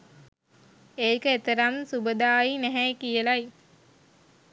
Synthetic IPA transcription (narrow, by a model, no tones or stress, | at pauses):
eːkəet̪əɾamsubəd̪aːinɛɦɛjkijəlaj